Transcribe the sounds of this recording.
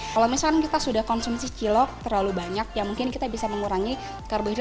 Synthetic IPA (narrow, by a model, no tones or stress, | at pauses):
kalowmisakankit̪asudahkɔnsumsit͡ʃilɔk̚t̪ərlalubaɲak̚jamuŋkɪnkit̪abisaməŋuɾaŋi | kərbo